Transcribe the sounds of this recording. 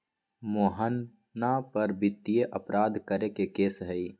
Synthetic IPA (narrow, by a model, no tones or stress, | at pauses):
moːɦən | napəɾbɪt̪ːijeʔəpɾaːd̪ʱkəɾekekeːsɦəi